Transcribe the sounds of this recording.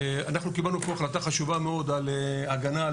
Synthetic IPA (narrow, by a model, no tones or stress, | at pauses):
anaχnukibalnupo̞aχlat̪aχaʃuvame̞o̞d̪aleaɡana